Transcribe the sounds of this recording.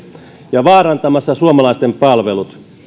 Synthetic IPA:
jɑʋɑːrɑnt̪ɑmɑsːɑsuomɑlɑist̪empɑlʋelut̪

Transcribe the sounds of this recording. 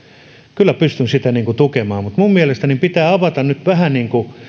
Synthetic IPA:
kylːˑæpyst̪ynsit̪æniːŋkut̪ukemɑːmut̪mummielest̪ænipit̪æːɑʋɑt̪ɑnnyt̪ʋæhæniːŋku

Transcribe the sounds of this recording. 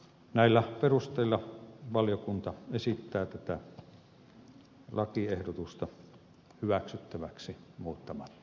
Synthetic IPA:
næˑilːæperust̪ˑeˑilːˑɑʋɑljokunt̪ɑesit̪ːæːt̪æt̪æ | lʔɑkiehdot̪ust̪ɑ | hyʋæksyt̪ːæʋæksimuːt̪ːɑmɑt̪ːɑ̥

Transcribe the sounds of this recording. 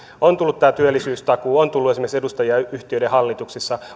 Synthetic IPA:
ont̪ulːut̪ːæːt̪yølːˑisyːst̪ɑkuːont̪ulːuesimeɡksedust̪ɑjiɑyht̪iøjdeɦɑlːit̪uksisːɑ

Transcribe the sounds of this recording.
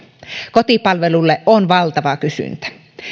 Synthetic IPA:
kot̪ipɑlʋelulːeʔʔonʋɑlt̪ɑʋɑkysy̰nt̪æ̥

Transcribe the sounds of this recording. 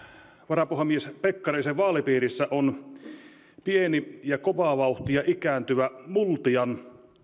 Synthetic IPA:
ʋɑrɑpuhɑmiespekːɑriseʋʋɑːlipiːɾisːæʔon | pienijɑkoʋɑʋɑˑuht̪ijɑʔikæːnt̪yʋæmult̪iɑn

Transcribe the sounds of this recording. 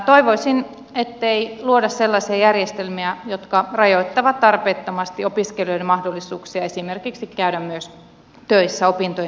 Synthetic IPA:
t̪oiʋoisin | et̪ːeiluodɑsselːɑsiɑjærjest̪elmiæjot̪kɑrɑjoit̪ːɑʋɑt̪t̪ɑrpeːt̪ːomɑst̪iopiskeljoidemɑhdolːisuːksiɑesimerkiksikkæydæmmyøs | t̪øisːæopint̪o

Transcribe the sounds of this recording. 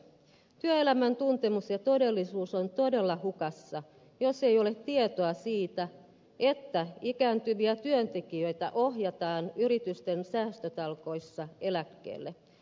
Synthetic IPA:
t̪yøe̞læmænt̪unt̪e̞musjɑt̪o̞de̞lːisuːsont̪o̞de̞lːɑhukɑsːɑ | jo̞se̞jo̞let̪ːiet̪oɑsiːt̪æ | et̪ːæikæːnt̪yʋiæt̪yønt̪e̞kiø̞jt̪æʔoɦjɑt̪ɑːnyɾit̪yst̪ensæːst̪øt̪ɑlko̞jsːɑe̞lækːḛːlːe

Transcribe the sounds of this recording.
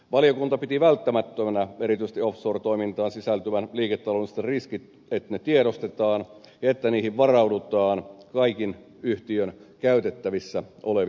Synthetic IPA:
ʋɑlijokunt̪ɑpit̪iʋælt̪ːæmæt̪ːømænæeɾit̪yist̪iofsort̪o̞imint̪ɑːnsisælt̪yʋænliːket̪ːɑlonst̪ːeriskit̪ | et̪net̪ieɾost̪et̪ɑːn | jɑet̪ːæniːhiʋʋɑrɑudut̪ɑːnkɑikin | yht̪iønkæyt̪et̪ːæʋisːæʔoleʋ

